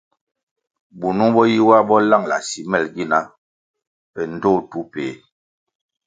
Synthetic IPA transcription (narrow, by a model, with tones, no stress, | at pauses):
bu˨nu˦bɔ˦ji˦wa˦bɔ˦la˦ŋla̰˨si˨mɛ˦˨lɡi˦na˦ | ɛ˨n̩˦˨do˦˨tu˦pe˨˦